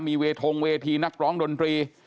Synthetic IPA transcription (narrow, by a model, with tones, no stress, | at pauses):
miː˧weː˧t̪ʰo˧ŋweː˧t̪ʰiː˧na˦˥k̚ɾɔː˦˥ŋdo˧nt̪ɾiː˧